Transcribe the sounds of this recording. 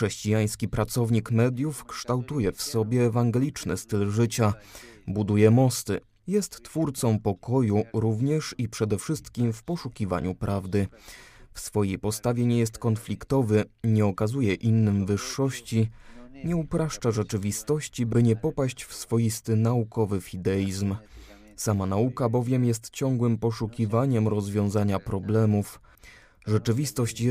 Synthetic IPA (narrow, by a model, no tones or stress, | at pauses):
ʂɛɕt͡ɕijaj̃skʲipɾat̪sɔvɲikmɛd̪ʲjufkʂt̪awt̪ujɛfsɔbʲjɛːvaŋɡɛlʲit͡ʂnɘ̰st̪ɘlʐɘt͡ɕabud̪ujɛmɔst̪ɘ | jɛst̪ːfuɾt̪sɔ̃w̃pɔkɔjuɾuvɲɛʂipʂɛd̪ɛfʂɘst̪kʲimfpɔʂukʲiva̰ɲupɾʔavd̪ɘfsfɔjejpɔst̪avʲjɛɲɛjɛst̪kɔnflʲikt̪ɔvɘɲɛɔkazujɛʔinːɘmvɘʂːɔɕt͡ɕiɲɛupɾaʂt͡ʂaʐɛt͡ʂɘvʲist̪ɔɕt͡ɕibɘɲɛpɔpaɕt͡ɕfsfɔjist̪ɘnaukɔvɘfʲid̪ɛjizm | samanaukabɔvʲjɛmjɛst̪t͡ɕɔŋɡwɘmpɔʂukʲivaɲɛmɾɔzvʲjɔ̃w̃zaɲapɾɔblɛmuf | ʐɛt͡ʂɘvʲist̪ɔɕt͡ɕ